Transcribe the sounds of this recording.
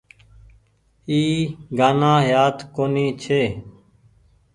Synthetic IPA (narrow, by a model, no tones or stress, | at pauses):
iːɡaːnãːɦjaːt̪koːniːt͡ʃʰeː